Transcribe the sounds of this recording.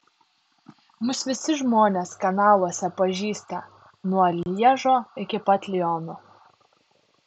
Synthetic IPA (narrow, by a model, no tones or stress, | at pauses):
mʊsʋʲɪsʲɪʒmoːnʲeskɐnɑːlˠuɔsʲɛpɐʒʲiːst̪ɐ | nuɔlʲiɛʒoːɪkʲɪpɐt̪ʲlʲɪɔnʊ